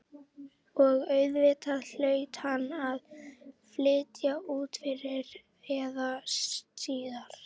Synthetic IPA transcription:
ɔɣœɥðvɪːt̪aðl̥œːɥt̪hanːaðflɪːt̪jauːt̪fɪɾɪɾ | ɛːðast̪iːðaɾ̥

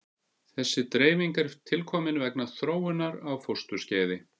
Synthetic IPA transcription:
θɛsːɪt̪ɾeːjviŋkɛɾt̪ʰɪlkʰɔːmɪnvɛknaθɾoːwɪnːaɾawfowrst̪ʏ̥sceːðɪ

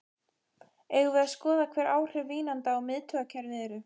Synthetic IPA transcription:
ɛɣvɪðaskɔːðakʰvɛːɾaːwr̥ɛvviːnant̪aːwmɪðt̪ʰœːɣacʰɛɾðɪɛːɾʏ

